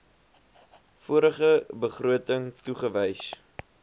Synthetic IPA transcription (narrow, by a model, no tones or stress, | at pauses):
fuəɾəχəbəχruətəŋtuχəvəjs